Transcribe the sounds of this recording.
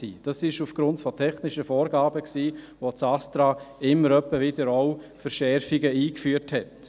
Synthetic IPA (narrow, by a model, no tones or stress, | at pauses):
ḭːd̥ɑsɪʃufɡ̥ɾʊntfɔtʰɛχnɪʃəfɔːɾɡɑːbəksiː | ʋot͡sɑstɾɑːɪmːəɾœpːəvɪdəɾoʊfəɾʃɛɾfɪɡəiːkfyːəɾthɛt